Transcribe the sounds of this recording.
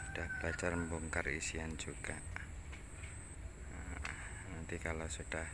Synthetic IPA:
sud̥ahb̥əlad͡ʒarmbuŋkarḭsiand͡ʒuɡaʔ | nant̪ikalosud̥ah

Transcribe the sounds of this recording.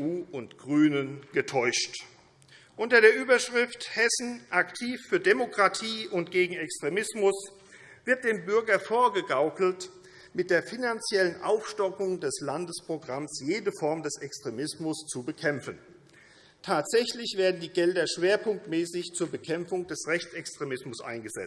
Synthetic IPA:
uːʊntɡ̥ʁyːnənɡ̥ətʰɔʏʃt | ʔʊntɐɾeːɐʔyːbɐʃʁ̥ɪfthɛsn̩ʔaktʰiːfːyːɐdemokʁ̥atʰiːʔʊntɡ̥eːɡŋ̩ɛkstʁ̥emɪsmʊs | v̥ɪɐt̚d̥eːmbʏɐɡɐfoːɐɡəɡaʊkl̩t | mɪt̚d̥eːɐfinant͡sjɛlənʔaʊfʃtɔkʊŋdɛslandəspʁ̥oɡʁamsjeːdəfɔɐmdɛsɛkstʁ̥emɪsmʊst͡subəkʰɛmfn̩ | tʰaːtz̥ɛçlɪçv̥eːɐdn̩diːɡɛldɐʃv̥eːɐpʰʊŋk̚tmɛːsɪçt͡suːɐbəkʰɛmfʊŋdɛsʁɛçt͡sɛkstʁ̥emɪsmʊsʔa̰ɪnɡəzɛ̰t͡st

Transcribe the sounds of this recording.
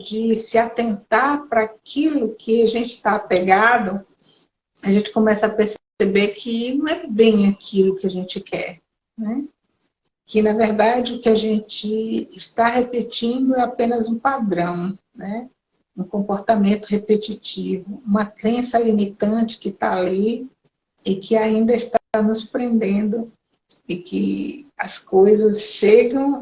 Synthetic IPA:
d͡ʒɪsɪat̪ẽnt̪aɾpɾɐːkʰilʊkʰɪaʒẽnt͡ʃɪ̥t̪apeɡad̪ʊ | aʒẽnt͡ʃɪ̥kõmɛsɐːpeɾs | ebeɾkʰɪñɛbẽj̃akʰilʊkɪaʒẽt͡ʃɪkʰɛ̰ɾ | nɛ | kɪnɐveɾd̪ad͡ʒɪʊkɪaʒẽnt͡ʃɪːst̪aɦepet͡ʃĩnd̪ʊɛapẽnɐzũpad̪ɾɐ̃w̃nɛ | ũkõpoɾt̪amẽnt̪ʊɦepet͡ʃit͡ʃivʊũmɐkɾẽsɐlimit̪ɐ̃t͡ʃɪ̥kɪt̪a̰ali | ɪkʰɪaĩnd̪ɐɪst̪anʊspɾẽnd̪ẽnd̪ʊ | ɪkɪ̰ɐskojzɐsʃeɡɐ̃w̃

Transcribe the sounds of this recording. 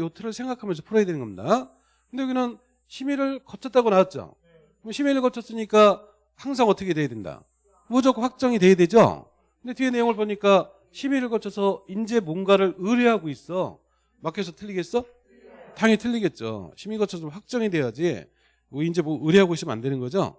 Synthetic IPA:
jotʰɯɾɯɭsʰe̞ŋɡakʰamjʌns̬ʰʌpʰuɾʌjadwenɯnɡʌmɲida | kʰɯndeɡinɯn | ɕʰimiɾɯɭkʌt͡ɕʰʌt͈aɡonaat̚t͡ɕ͈o̰ | kinɕʰimiɾɯɭkʌt͡ɕʰʌs͈ɯɲik͈a | haŋs̬ʰaŋʌtʰʌkʰe̞dwe̞jadwenda̰ | mʌd͡ʑok͈ʰoɸwak̚t͡ɕ͈ʌŋidwe̞jadwe̞d͡ʑo̰ | kʰɯnde̞tiene̞joŋɯɭboɲik͈a | ɕʰimiɾɯɭkʌt͡ɕʰʌsʰʌind͡ʑe̞monɡaɾɯɾɯɾeɦaɡois͈ʌ | makʰes̬ʰʌtʰɯʎːiɡe̞s͈ʌ | taŋitʰɯʎːiɡe̞t̚t͡ɕ͈o̰ɕʰimiɡʌt͡ɕʰʌsʰʌt͡ɕomɸwak̚t͡ɕ͈ʌŋidwe̞jad͡ʑi | mʌind͡ʑe̞mʌɯɾeɦaɡois͈ʰima̰ndwe̞nɯnɡʌd͡ʑo̰

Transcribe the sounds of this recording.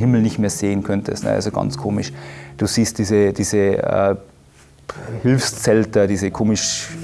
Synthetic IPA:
hɪml̩nɪçtmeːɐz̥eːənkʰœntʰə̰stnə̰ʔa̰lzoɡ̥ɑ̰nt͡skʰoːmɪʃd̥uːziːst̚d̥iːzəd̥iːzəɛ̰ː | hɪlfst͡sɛltɐdiːzəkʰoːmɪʃ

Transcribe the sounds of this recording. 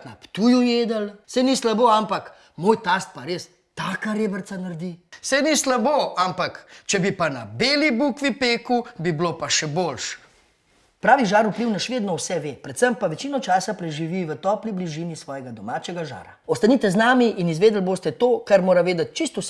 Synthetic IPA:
t̪napt̪uːjujeːd̪əlsɛjnislaboampak | moːjt̪aːst̪̚paɾeːs | t̪aːkaɾebəɾt̪sanaɾd̪isɛnislaboampakt͡ʃɛbipana̰beːlibukʋipeːkubiblopaʃɛboːlʃ | pɾaːʋiʒaːɾupliwnaʃʋeːd̪nɔwsɛʋeːpɾɛt̪səmpaʋɛt͡ʃiːnɔt͡ʃaːsapɾɛʒiʋiʋət̪ɔːplibliʒinisʋɔːjɛɡad̪ɔmaːt͡ʃɛɡaʒa̰ːɾa̰ɔst̪aniːt̪ɛznaːmiʔinizʋeːd̪əlboːst̪ɛt̪oːkaɾmoːɾaʋeːd̪ɐt̪̚t͡ʃist̪us

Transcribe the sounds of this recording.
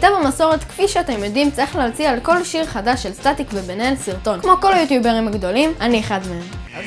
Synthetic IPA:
t̪avamaso̞ʁetkfiʃeat̪emjodimt͡saʁiχlealt͡sialko̞lʃiʁχadaʃelstat̪ikvebenelsiʁt̪o̞nkmo̞ko̞lajut̪jubeʁimaɡdo̞limanieχad̪meemaz

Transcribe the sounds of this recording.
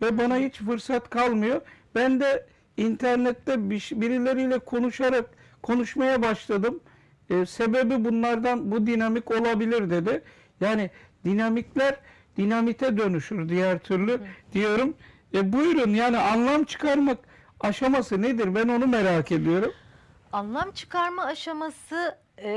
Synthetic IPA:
vɛbanahit͡ʃfɯɾsat̪kʰalˠmɯjo̞b̥ænd̪ɛ | int̪ʰæɾnɛt̪ːɛbiʃbiɾilʲe̞ɾijlʲɛkʰo̞nuʃaɾakkʰːo̞nuʃmajabaʃlˠad̪ɯmː | se̞be̞bibunlˠaɾd̪anbud̪inamiko̞lˠabilʲiɾd̪e̞d̪ɪ | jaːnid̪̥inamiclʲæɾ | d̪̥inamit̪ʰɛd̪ø̞nyʃyɾd̪ijæɾt̪ʰyɾlʲyd̪̥ijo̞ɾum | ɛbujɾunjaːnianlˠamt͡ʃʰɯ̥kʰaɾmak | aʃamasɯned̪iɾbæno̞numeɾake̞d̪ijo̞ɾum | anlˠamt͡ʃʰɯ̥kaɾmaːʃamasɯ

